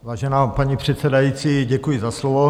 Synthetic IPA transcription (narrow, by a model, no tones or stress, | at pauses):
vaːʒɛnaːpaɲipr̝̥ɛt̪t͡sɛdajit͡siːɟɛkujɪzaslovo